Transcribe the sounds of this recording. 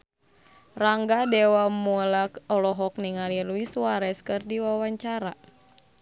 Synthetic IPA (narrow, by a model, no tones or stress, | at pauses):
raŋɡadɛwamulakɔlɔɦɔk̚niŋaliluisuaɾɛskɨrdiwawaɲt͡ʃaɾa